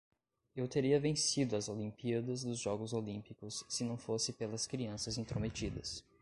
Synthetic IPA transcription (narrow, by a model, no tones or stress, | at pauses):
ewt̪eɾiɐvẽsid̪ʊɐzolĩmpiɐd̪ɐzd̪ʊzʒɔɡʊzolĩmpikʊsːɪnɐ̃w̃fosɪpelɐskɾiɐ̃sɐzĩnt̪ɾomet͡ʃid̪ɐs